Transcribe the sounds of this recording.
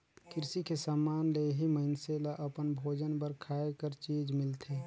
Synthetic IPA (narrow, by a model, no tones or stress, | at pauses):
kɪɾsikesaːmaːnleɦiməɪnselaʔəpənbʱoːd͡ʒənbəɾkʰaːekəɾt͡ʃiːd͡ʒmɪlt̪ʰe